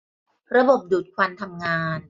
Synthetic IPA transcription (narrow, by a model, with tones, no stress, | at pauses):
ɾa˧bo˨˩p̚duː˨˩t̪̚kʰwa˧nt̪ʰa˧mŋaː˧n